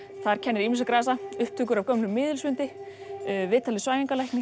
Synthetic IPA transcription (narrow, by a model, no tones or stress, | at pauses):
θaɾ̥cʰɛnːɾimɪs̬akɾaːs̬aʏhpt̪ʰʏk̬ʏɾavkœmlʏmːɪːðɪlsvʏnt̪ɪ | vɪːt̪ʰalɪsvaːjiŋkalajhknɪ